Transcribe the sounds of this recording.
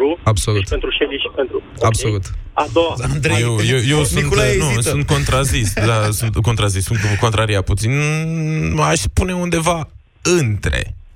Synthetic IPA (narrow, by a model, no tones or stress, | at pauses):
ɾuabso̞luʃent̪ɾuʃeviʃi̥pent̪ɾu | absolut̪ad̪oaand̪ɾejewjewjewsunt̪nussunt̪̚ko̞nt̪ɾazisd̪asunt̪ko̞nt̪ɾazisunt̪ko̞nt̪ɾaɾiaput̪sin | aʃspune̞und̪e̞va | ɨnt̪ɾe̞̰